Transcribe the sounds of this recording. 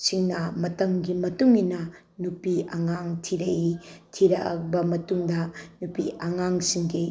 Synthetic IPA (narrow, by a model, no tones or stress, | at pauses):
siŋnɐmɐtɐmɡimɐtuŋinɐ | nupiɐŋaŋtʰiɾɐʔitʰiɾɐʔɐ̰kbɐmɐtuŋdɐnupiʔɐŋaŋsiŋɡi